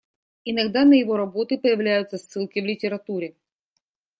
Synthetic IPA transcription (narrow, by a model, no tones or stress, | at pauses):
ɪnɐɡd̪anəjɪvo̞ɾɐbo̞t̪ɨpəjɪvlʲæjʊt̪səsːɨlˠkʲɪvlʲɪtʲɪɾɐt̪uɾʲɪ